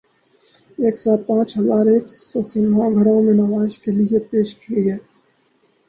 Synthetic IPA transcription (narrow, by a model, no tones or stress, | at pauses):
eːksaːt̪̚pãːt͡ʃɦɐzaːɾeːksɔsiːnʋãɡʱəɾõmẽnɐʋaːɪʃkeliepeːʃkiɡəiɦɛː